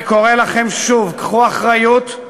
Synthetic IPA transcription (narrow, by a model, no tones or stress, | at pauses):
ko̞ʁelaχe̞mʃuvkḁχuaχʁajut̪